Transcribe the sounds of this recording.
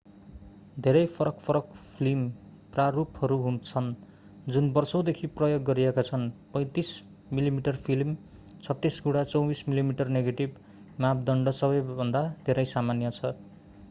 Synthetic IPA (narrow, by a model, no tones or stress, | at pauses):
d̪ʱeɾʌjpʰʌɾʌkpʰʌɾʌkpʰlim | praruphʌɾuɦunt͡sʰʌn | d͡zunbʌrsʌw̃d̪ekʰiprʌjoɡːʌɾiekat͡sʰʌnpʌ̃j̃t̪is | milimiʈʌrpʰilm | t͡sʰʌt̪ːisɡuɽat͡sʌwbismilimiʈʌrneɡeʈib | map̚ʰd̪ʌɳɖʌsʌbʌjbʱʌnd̪ad̪ʱeɾʌjsamanjʌt͡sʰʌ